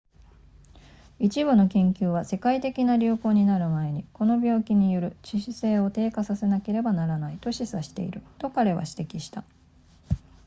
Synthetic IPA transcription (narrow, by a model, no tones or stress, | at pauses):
it͡ɕiβɯ̟no̞kẽ̞ŋkʲɨːβase̞kait̪e̞kʲinaɾʲɨːko̞ːɲ̟inaɾɯ̟mae̞ɲ̟iko̞no̞bʲo̞ːkʲiɲ̟ijoɾɯ̟t͡ɕiɕise̞ːo̞t̪e̞ːkasase̞nake̞ɾe̞banaɾanait̪o̞ɕisaɕi̥t̪e̞̰ḭɾɯ̟t̪o̞kaɾe̞βa̰ɕi̥t̪e̞kʲiɕi̥t̪a